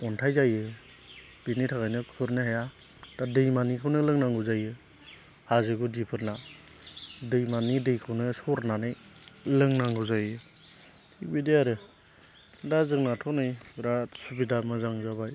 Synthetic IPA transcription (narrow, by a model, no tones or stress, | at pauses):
ɔntʰajzajɯ | b̥initʰaɡajnɯkʰɯɾnɯhaja | d̥adɯjmanikʰawnɯlɯŋnaŋɡɯzajɯ | hazɯɡudipʰɯɾna | dɯjmanidɯjkʰɯwnɯsɔɾnanɯjlɯŋnaŋɡɯzajɯ | ibideaɾɯ | dazɯŋnatʰɔnɯjɾasubidamɯzaŋzabaj